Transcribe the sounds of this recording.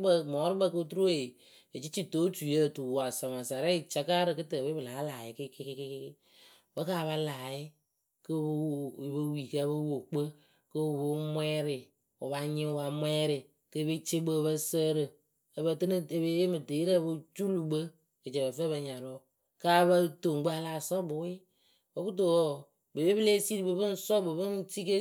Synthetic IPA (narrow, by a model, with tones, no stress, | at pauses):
bə˦mɔː˨˦ɾɨ˦bə˦˧ko˦tu˦ɾu˦we˨ | ə˨t͡ʃi˦t͡ʃi˦to˦t͡ʃu˨je˦˨tu˨wa˨sa˨ma˨sa˨ɾa˦i˨t͡ʃa˦ka˦ɾɨ˨kɨ˦tə˨be˦bɨ˨laː˨˦laː˨jɪ˨ki˦ke˦kke˦kk | bə˦kaː˦˨βa˧laː˨ɪ˦ | kə˦wbə˦wi˨kə˦bə˦wo˨k͡pə˦ | kə˦˨bo˦mwɛː˦ɾɪ˨ | u˨βa˨ɲɪ̃˦˨ba˨mwɛː˦ɾɪ˨ | kə˦be˦t͡ʃe˦bə˦˧βə˦səː˦ɾə˨ | ə˨bə˧tɨ˦nɨ˦e˨be˦je˦mɨ˨te˨˦ɾa˦bə˦t͡ʃu˦lu˨bə˦ | kə˨t͡ʃə˨bə˨fə˦bə˧ɲa˨ɾɔ˦ | kaː˦βə˦to˨ɡ͡bə˦a˧la˨sɔ˦bʊ˨wɪ˦ | bə˦bu˦t̬o˨o˦˨ | be˨be˦bɨ˦le˦si˦ɾi˨bɨ˨bɨ˦n̩˦sɔ˦bɨ˨bɨ˦n˦ti˦ke˦